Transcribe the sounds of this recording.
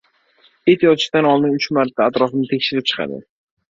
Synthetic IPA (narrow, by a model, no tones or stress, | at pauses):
et̪jɒt̪ʰɪ̥ʃt̪anɒlˠd̪ɪnʊt͡ʃmaɾt̪ʰːaːt̪ɾɒfɪnɪt̪ʰe̞kʲʃɪɾɪp̚t͡ʃʰɨ̥qʰɑ̰d̪ɪ̰